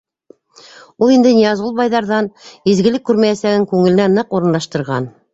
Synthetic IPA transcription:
ulˠind̪ɘnʲijɑzʁulˠbɑjðɑɾðɑnizɡɘ̆lɘkːʉɾmæjæsæɡɘŋkʉŋɘ̆lɘ̆nænɤquɾɤ̆nlˠɑʃt̪ɤ̆ɾʁɑn

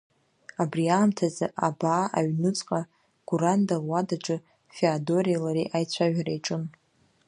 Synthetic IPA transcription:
abriaːmtʰazɨʔabaːʔaɥnɨt͡sʼqʼa | ɡ̥uɾandarwadaʈ͡ʂʼɨ | feado̞ɾilaɾiʔajt͡ɕʷʰaʒᶣaɾajʈ͡ʂʼɨn

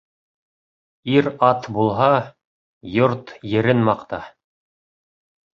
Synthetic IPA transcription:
iɾɑt̪bulˠɦɑ | joɾt̪jɘ̆ɾɘnmɑqt̪ɑ

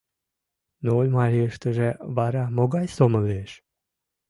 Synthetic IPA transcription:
noolʲmɑɾʲiəʃt̪əʒeβɑɾɑmoɡɑjsoməleʃ

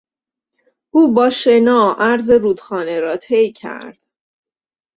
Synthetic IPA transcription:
ʔuːbɒːʃenɒːʔæɾze̞ɾuːd̪xɒːneɾɒːt̪ʰe̞jcʰæ̰ɾd̪̥

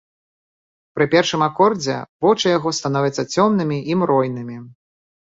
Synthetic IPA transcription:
pɾɨpʲɛrʂɨmakɔrd͡zʲɛ̰vɔt͡ʂɐjaɣɔst̪anɔvʲɛt̪sːɐt͡sʲɔmnɨmʲiʔimɾɔjnɨmʲi

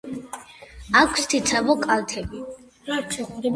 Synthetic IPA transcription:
akʷʰst̪ʰit̪sʰabɔkʼalt̪ʰɛbi

